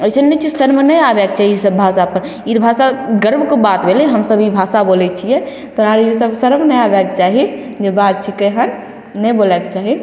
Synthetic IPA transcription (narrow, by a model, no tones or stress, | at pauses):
ət͡ʃʰənːɛt͡ʃʰisəɾmenəjabɛkt͡ʃaɦiisəbːʱasapəɾ | iɾbʱasaɡəɾbʱkebat̪bʱeleɦəmsəbibʱasabolɛt͡ʃʰijɛ | t̪ɔaɾisəbsəɾəmnəjabɛket͡ʃaɦi | d͡ʒebat̪̚t͡ʃʰikəɦənː | əjbolɛket͡ʃaɦi